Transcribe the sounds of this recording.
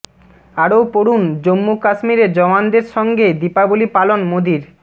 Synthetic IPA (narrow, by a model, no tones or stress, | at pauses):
aɾopoɽund͡ʑomːukaʃmiɾed͡ʑɔmand̪eɾʃɔŋɡed̪ipabolipalonmod̪iɾ